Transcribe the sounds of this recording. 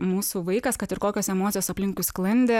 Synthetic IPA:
muːsuːʋɐɪkɐskɐt̪ɪɾkoːkʲoːsɛmoːt̪sʲɪjoːsɐpʲlʲɪŋkʊɪsklˠɐnʲd̪ʲeː

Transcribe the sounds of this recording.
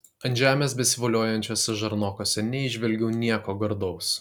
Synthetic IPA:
ɐnʲʒʲæːmʲeːs̬bʲɛsʲɪʋɐlʲoɔːjɛnʲt͡ʃʲoːsʲɛʒɐɾnoːkoːsʲɛnʲɛɪʒʲʋʲɛlʲɡʲɛʊnʲiɛkoːɡɐɾd̪ɔʊs

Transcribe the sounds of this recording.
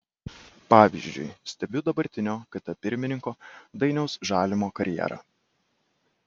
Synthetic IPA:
pɑːʋʲḭʒʲd͡ʒʲʊ̰ɪsʲt̪ʲɛbʲʊd̪ɐbɐɾʲt̪ʲɪnʲoːkɐt̪ɐpʲɪɾʲmʲɪnʲɪŋkoːd̪ɐɪnʲɛʊsʒɑːlʲɪmoːkɐɾʲjɛ̰ɾɐ̰ː

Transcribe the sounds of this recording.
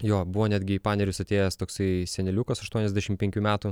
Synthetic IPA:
joːbʊʋoːnʲɛd̪ʲɡʲɪipɑːnʲɛɾʲʊsɐt̪ʲeːjɛst̪oːksɐɪsʲɛnʲɛlʲukɐsɐʃt̪uɔnʲɛzʲd̪ʲæɛʃʲɪmpʲɛŋʲkʲuːmʲæːt̪u

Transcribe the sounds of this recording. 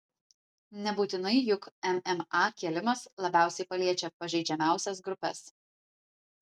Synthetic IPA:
nʲɛbuːt̪ʲɪnɐɪjʊkɛmɛmɑːkʲiɛlʲɪmɐslˠɐbʲæˑʊsʲɛɪpɐlʲiɛt͡ʃʲɛpɐʒʲɛɪd͡ʒʲɛmʲæˑʊsʲɛs̬ɡɾʊpʲɛ̰s

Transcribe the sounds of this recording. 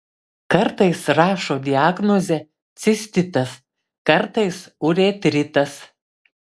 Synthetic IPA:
kɐɾt̪ɐɪsɾɑːʃoːd̪ʲɪaːɡnɔzʲɛ | t̪sʲɪsʲt̪ʲɪt̪ɐs | kɐɾt̪ɐɪsʊɾʲeːt̪ʲɾʲɪt̪ɐs

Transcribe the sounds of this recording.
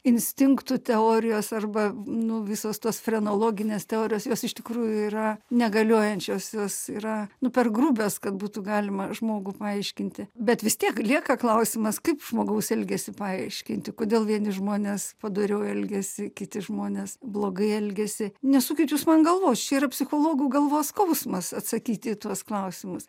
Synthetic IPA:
ɪnʲsʲt̪ʲɪŋkt̪ʊt̪ʲɛoːɾʲɪjoːsɐrbɐnʊʋʲɪsoːst̪oːsfrʲɛnoːlˠoːɡʲɪnʲeːst̪ʲɛoːɾʲɪjoːsjoːsɪʃt̪ʲɪkruːjʊiːɾɐnʲɛɡɐlʲoɔjɛnʲt͡ʃʲoːsjoːsiːɾɐnʊpʲɛrɡruːbʲoːskɐt̪̚buːt̪ʊɡɑːlʲɪmɐʒmoːɡʊpɐɐɪʃʲkʲɪnʲt̪ʲɪbʲɛt̪ʋʲɪst̪ʲiɛklʲiɛkɐklˠɐʊsʲɪmɐskɐɪpʒ̥moːɡɐʊsɛlʲɡʲɛsʲɪpɐɐɪʃʲkʲɪnʲt̪ʲɪkoːd̪ʲeːlˠʋʲiɛnʲɪʒmoːnʲeːspɐd̪oːɾʲɛʊɛlʲɡʲɛsʲɪkʲɪt̪ʲɪʒmoːnʲeːsblˠoːɡɐɪɛlʲɡʲɛsʲɪnʲɛssuːkʲɪt̪ʲjuːsmɐnɡɐlˠʋoːt͡ʃʲɛiːɾɐpʲsʲɪxoːlˠoːɡuːɡɐlˠʋoːskɐʊsmɐsɐt̪sɐkʲiːt̪ʲɪːt̪uɔsklˠɐʊsʲɪmʊs

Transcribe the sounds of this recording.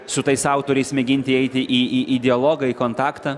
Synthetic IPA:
sʊt̪ɐɪsɑˑʊt̪oːɾʲɛɪsmʲɛɡʲɪnʲt̪ʲɪɛɪt̪ʲɪʔiːiːʔid̪ʲɪɐlˠoːɡɐiːkoːnt̪ɑːkt̪ɐː

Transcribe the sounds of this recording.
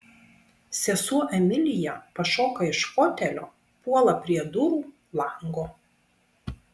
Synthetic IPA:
sʲɛsuɔʔɛmʲɪlʲɪjɛpɐʃoːkɐɪʃkoːt̪ʲɛlʲoː | puɔlˠɐpʲɾʲiɛd̪ʊɾuː | lˠɐˑŋɡoː

